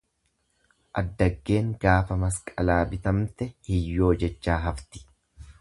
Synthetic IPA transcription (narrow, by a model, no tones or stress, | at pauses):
ʔɐd̪ːɐɡːe̞ːŋɡaːfɐmɐskʼɐlaːbɪt̪ɐmt̪ɛhɪjːo̞ːd͡ʒɛt͡ʃːaːɦɐft̪ɪ̥